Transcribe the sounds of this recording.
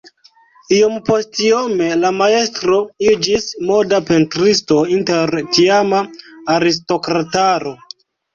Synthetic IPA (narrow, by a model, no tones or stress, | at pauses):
ijompo̞stiome̞lamae̞stɾo̞id͡ʒismo̞dape̞ntɾisto̞inteɾtiamaaɾis̬to̞kɾataɾo̞